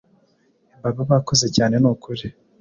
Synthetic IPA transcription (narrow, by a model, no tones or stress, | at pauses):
baβaβako̞ze̞caːne̞nukuɾi